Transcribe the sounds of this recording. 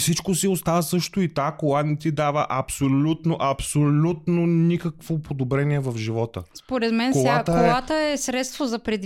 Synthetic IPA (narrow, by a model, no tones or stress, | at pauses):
sit͡ʃkosiost̪avəsɤʃt̪oit̪akolˠanit̪id̪avəʔɐpsolʲut̪noʔɐpsolʲut̪nonikəkvopʰod̪obɾɛniɛvɐfʒivɔt̪əspoɾɛt̪mɛnk̪oat̪əolɛat̪əɛsɾɛt̪st̪vozɐpɾɛd̪